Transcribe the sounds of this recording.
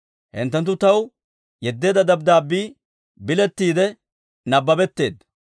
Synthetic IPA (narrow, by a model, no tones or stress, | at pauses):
hɪ̰nt̪ːɛnt̪̬ːʊt̪ɐw | jɛd̪ːe̞ːd̪ɐd̪ɐbd̪aːbːiː | bɪlɛt̪ːiːd̪ɛ | nɐbːɐbɛt̪ːe̞̰ːd̪ɐ